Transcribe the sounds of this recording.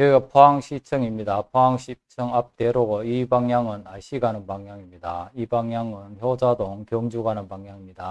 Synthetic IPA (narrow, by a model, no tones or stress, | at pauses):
eɡapʰoaŋɕʰit͡ɕʰɯŋimɲidapʰoaŋɕʰit͡ɕʰɯŋap̚t͈eɾoɡoibaŋɲaŋɯnaɭɕ͈ʰiɡanɯnbaŋjaŋimɲidaibaŋɲaŋɯnçjod͡ʑadoŋkjʌŋd͡ʑuɡanɯnbaŋɲjaŋimɲida